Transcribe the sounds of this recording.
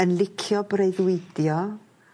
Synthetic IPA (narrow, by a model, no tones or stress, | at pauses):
ənlˠɪkʰjɔbreɨðwɪdjɔ